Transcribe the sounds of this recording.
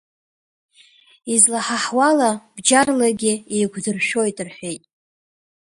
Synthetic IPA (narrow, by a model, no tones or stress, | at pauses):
izlaħaħwalab̥d͡ʒarlaɡʲɪejɡʷdɨrʃᶣo̞jtʼɨrħᶣʷe̞jtʼ